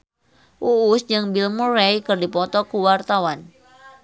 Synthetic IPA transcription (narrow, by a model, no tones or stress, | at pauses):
ʔuːsd͡ʒɨŋbilmuɾejkɨrdipɔt̪ɔkuwart̪awan